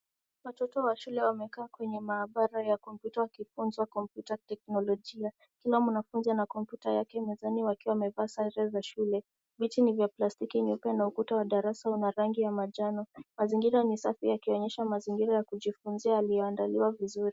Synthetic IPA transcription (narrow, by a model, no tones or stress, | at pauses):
watɔtɔwaʃulɛwamɛkaːkwɛɲɛmaːɓaɾajakɔmpjutawakifunzwakɔmpjutatɛknɔlɔʄia | kilamunafunzanakɔmpjutajakɛmɛzaniwakiwawamɛvaːsaɾɛzaʃulɛ | vitinivjaplastikiɲupɛnaukutawaɗaɾasaunaɾaŋɡijamaʄanɔmaziŋɡiɾanisafijakiɔɲɛʃamaziŋɡiɾajakuʄifunziaːlijɔandaliwavizuɾi